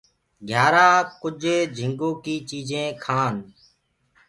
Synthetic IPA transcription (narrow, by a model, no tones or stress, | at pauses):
ɡʱjaːɾaːkʊd͡ʒʱeːd͡ʒʱɪŋɡoːkiːt͡ʃiːd͡ʒẽːkʰaːn